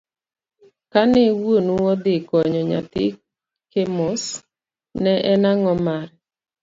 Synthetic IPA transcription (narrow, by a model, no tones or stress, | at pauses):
kanɛwonuwɔd̪ɪkɔɲɔɲa̰t̪ɪ̰ | kemos | nɛʔɛnaŋɔmar